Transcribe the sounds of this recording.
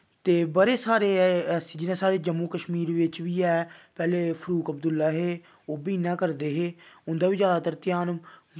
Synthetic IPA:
t̪eːbəɾeːsaːɾeːd͡ʒɪnãːsaːɾeːd͡ʒəmːuːkəʃmiːɾʋɪt͡ʃʋiːɛːpɛːleːpʰəɾuːkəbd̪ʊlːaːɦeː | oːbiːnãːkəɾd̪eːɦeːʊnd̪aːʋiːd͡ʒjaːd̪aːt̪əɾt̪ɪjaːn

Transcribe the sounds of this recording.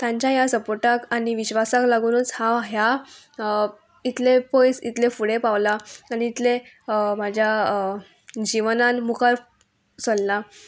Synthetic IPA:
t̪jãɲt͡ɕjajasəpoʈakaɽiʋiɕʋasaklaɡuːnut͡shãɦja | it̪lepojsḭt̪lefuɽepaʋlaaniːt̪le | mad͡ʑʱja | d͡ʑiʋnanmukaɾ | solːa

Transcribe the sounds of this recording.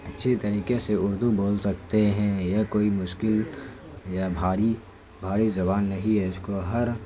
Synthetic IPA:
ɐtːʃʰet̪ɐɾiːkeseʊɾd̪uboːlsɐk̚t̪eɦɛ̃jɐkoːimʊʃkɪl | jabʱaːɽi | bʱaːɾizɐbaːnːɐɦĩɦɛʊskoɦɐɾ

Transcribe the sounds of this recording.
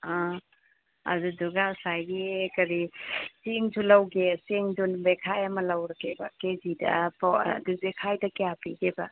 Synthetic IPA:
a | a̰duduɡasajɡikɐɾisiŋd͡ʒulawɡesiŋdunbekʰajamɐlawɾɐkebɐkezida̰pduzekʰajdakeapiɡeba

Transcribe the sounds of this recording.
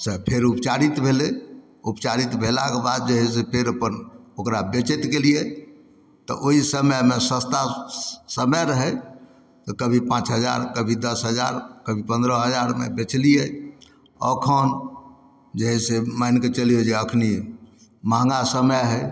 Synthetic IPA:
səpʰeɾupt͡ʃaɾit̪bʱele | upt͡ʃaɾit̪bʱela̰kebad̪̚d͡ʒeɦɛs̬epʰeɾəpənokɾabet͡ʃet̪kelije | t̪ɔʔoɦisəməmesə̃st̪asəməɾəɦɛ | t̪ɔkəbʱipãt͡ʃɦəd͡ʒa̰ɾkəbʱid̪əsɦəd͡ʒa̰ɾkəbʱipə̃nd̪ɾəɦəd͡ʒaɾmḛbet͡ʃlije | ɔ̰kʰən | d͡ʒeɦɛsemaɪnket͡ʃəliod͡ʒeəkʰni | mãŋɡasəməɦɛ

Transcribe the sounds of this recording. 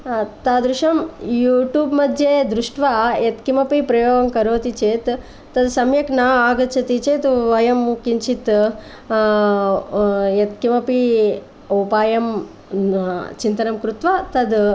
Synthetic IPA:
t̪aːd̪ɾuʃɐmjuːʈjuːbmɐd̪ʱjeːd̪ɾuʂʈʋaːjet̪kimɐpipɾɐjoːɡɐmkɐɾoːt̪it͡ʃeːt̪ː | ɐd̪sɐmjɐknaaːɡɐt͡ʃʰɐt̪it͡ʃeːt̪ʋɐjɐmkiɲt͡ʃit̪ | jet̪kimɐpi | upaːjɐm | t͡ʃint̪ɐnɐmkɾut̪ʋaːt̪ɐd̪

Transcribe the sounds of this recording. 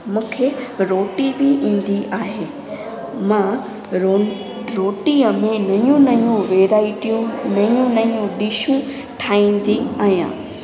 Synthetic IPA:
mũːkʰeɾoːʈibɪʔĩːn̆d̪iʔaːɦeː | mã | o | ɾoːʈiəmẽnɐjũnɐjũʋeːɾaːɪʈijũnɐjũnɐijũɗiʃũ | ʈʰaːĩːn̆d̪iaːɦjã̰ː

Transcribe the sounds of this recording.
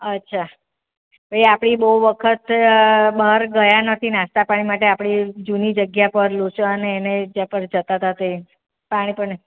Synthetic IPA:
ətːʃʰa | bʱəiapɽ̃ibəɦuʋəkʰət̪bəɦəɾɡəjanət̪ʰinãst̪apaɽ̃imaʈ̬eapɽid͡ʒunid͡ʒəɡjapəɾlut͡ʃəəneːned͡ʒapəɾd͡ʒət̪at̪at̪e | paɽ̃ipəɾ

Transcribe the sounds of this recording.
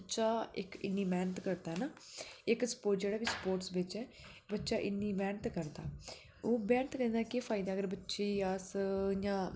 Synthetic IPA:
tːʃaːɪ̰kɪ̰nːiːmɛːnət̪kəɾd̪aːɦɛnaː | ɪkspoːʈd͡ʒeːɽaːbiːspoːɾʈsbet͡ʃɛː | bətːʃaːʔɪnːiːmɛːnət̪kəɾd̪a̰ː | oːbɛːnət̪kəɾd̪aːkepʰaːɪd̪aːəɡəɾbətːʃiːasjãː

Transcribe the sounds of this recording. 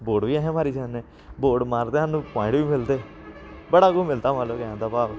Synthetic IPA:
boːɖʋiːɛːɦɛ̃ːmaːɾiːsɛːnẽː | boːɖmaːɾt̪eːɦãːnũːpãːɪ̃ɳʈʋiːmɪld̪eː | bəɽaːɡoːmɪlt̪aːmaːləbkɛãːd̪aːbaːb

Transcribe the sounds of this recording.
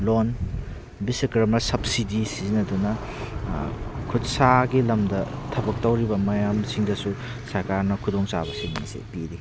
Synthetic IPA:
lon | bisɐkɾɐmɐɾsɐb̚sidisizinɐdunɐ | kʰutsaɡilɐmdɐtʰɐbɐk̚tɐwɾibɐmɐjamsiŋdɐsu | sɐɾkaɾnɐkʰudoŋt͡ʃa̰bɐsiŋmɐ̰sḛpiɾi

